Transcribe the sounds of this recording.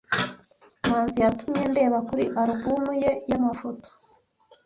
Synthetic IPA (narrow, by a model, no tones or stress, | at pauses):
maːnzijatumɲe̞nde̞ːβakuɾḭʔaɾuɡumuje̞jamafoto̥